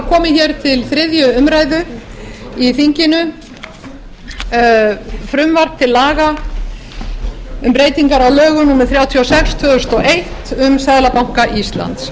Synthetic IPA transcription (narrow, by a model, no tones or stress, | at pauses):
kʰɔːmɪçɛɾ̥t̪ʰɪlθɾɪðjʏʏmɾajðʏ | iθiɲcɪnʏ | fɾʏmvar̥t̪ʰɪlːaːɣa | ʏmpɾejt̪iŋkaɾawlœːɣʏnuːmɪθɾjaːwt̪ʰiawsɛkst̪ʰvœʏst̪ɔʔejht̪ʏmsɛðlapawŋ̥kaʔist̪la̰nt̪s